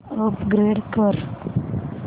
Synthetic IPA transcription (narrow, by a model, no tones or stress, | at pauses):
əpɡɾeːɖkəɾ